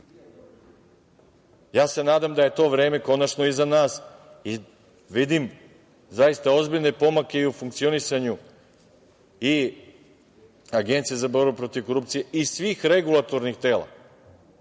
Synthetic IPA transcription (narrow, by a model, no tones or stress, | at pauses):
jaːse̞naːd̪amd̪aje̞t̪o̞ːʋɾe̞ːme̞ko̞nat͡ʃno̞izanaːsi | ʋid̪im | zajist̪ao̞zbiʎne̞po̞make̞iufuŋk̚t̪sio̞nisaɲu | i | aɡe̞nt̪sijezabo̞ɾbupɾo̞t̪iʋko̞ɾupt̪sije̞ʔisʋiːxɾe̞ɡulˠat̪o̞ɾnixt̪e̞ːlˠa̰